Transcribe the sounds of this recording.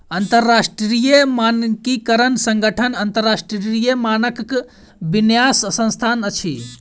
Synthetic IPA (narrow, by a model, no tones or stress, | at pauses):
ənt̪əɾːasʈɾɾijəmankikəɾənsəŋɡəʈʰənənt̪əɾːasʈɾɾijəmanəkk | binjasːə̃nst̪ʰanət͡ʃʰḭ